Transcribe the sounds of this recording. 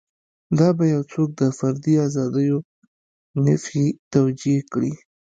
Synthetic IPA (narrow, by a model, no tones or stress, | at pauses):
d̪ɑbajawt͡sok̚d̪əfaɾd̪iazɑd̪əjo | nafit̪awd͡ʒikɽi